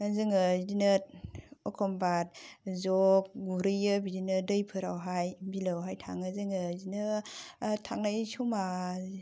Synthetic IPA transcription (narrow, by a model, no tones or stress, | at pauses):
azɯŋɯzinɯt̚ɔkʰɔmbat̚zɔk̚ɡuɾɯjɯbidinɯdɯjpʰɯɾawɦajbilawɦajtʰa̰ŋɯzɯŋɯzinɯ | tʰaŋnajsuma